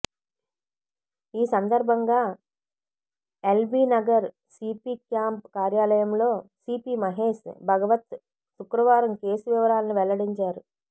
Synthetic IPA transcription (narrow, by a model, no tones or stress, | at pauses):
iːsɐnd̪ɐɾbʱɐŋɡaː | elbiːnɐɡɐɾ | sipiːkjaːmpkaːɾjaːlɐjɐmlo̞ːsiːpiːmɐɦe̞ːʃbʱɐɡɐʋɐt̪ | sukɾɐʋaːɾɐmkeːsuʋiʋɐɾaːlɐniʋɛlɐɽiɲt͡ʃaːɾu